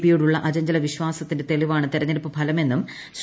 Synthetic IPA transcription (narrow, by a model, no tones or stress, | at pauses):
pːijuɽuɭːɐʔɐd͡ʑɐɲd͡ʑɐlɐʋiɕʋaːsɐt̪ːindet̪e̞liʋaːɳɨt̪iɾɐɲːɐɾpːɨpʰɐlɐme̞nːum | s